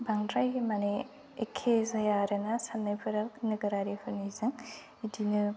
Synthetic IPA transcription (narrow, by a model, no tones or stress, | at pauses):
baŋdɾajmane | ekʰːezɐjaɾɯnasanːajpʰɯɾalnɯɡɯɾaɾihʰɯnizɯŋ | idinɯ